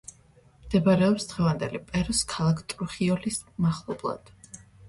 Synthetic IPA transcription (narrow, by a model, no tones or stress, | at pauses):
md̪̥ɛbaɾɛɔpsd̪̥ʁɛvand̪ɛlipʼɛɾɔskʰalˠakʰt̪ʼɾuχiɔlismaχlˠɔblˠa̰d̪̥